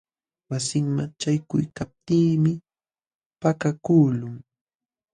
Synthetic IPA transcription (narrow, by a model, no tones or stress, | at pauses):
wasɪŋmat͡ʃajkʊ̰jkap̚t̪iːmɪ | pakakuːlʊŋ